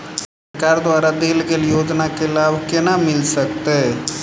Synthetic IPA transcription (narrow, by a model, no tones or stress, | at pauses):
sɐɾkaːɾd̪ʋaːɾad̪ilɡeljoːd͡ʒnakelaːʋkjenamɪlsɐkt̪e